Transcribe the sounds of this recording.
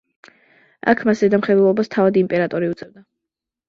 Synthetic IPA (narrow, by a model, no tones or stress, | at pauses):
a̰kʰmasɛd̪amχɛd̪ulˠɔbast̪ʰavad̪impʼɛɾat̪ʼɔɾiut̪sʼɛvd̪a